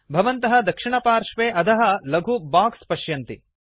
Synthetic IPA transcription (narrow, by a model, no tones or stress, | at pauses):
bʱɐʋɐnt̪ɐɦɐ̆d̪ɐkʂiɳɐpaːɾʂʋeːʔɐt̪ʰɐɦɐ̆lɐɡʱubaːkspɐʃjɐnt̪i